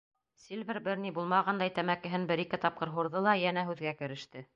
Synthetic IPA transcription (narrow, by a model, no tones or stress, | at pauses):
sʲilʲvʲɘɾbɘɾnibulˠmɑʁɑnd̪ɑjt̪æmækɘ̆ɦɘnbɘɾikɘt̪ɑp̚qɤ̆ɾɦuɾðɤlˠɑjænæɦʉðɡækɘ̆ɾɘ̆ʃt̪ɘ